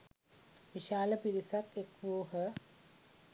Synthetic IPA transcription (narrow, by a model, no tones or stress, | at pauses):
ʋiʃaːləpiɾisak̪ekʋuːɦə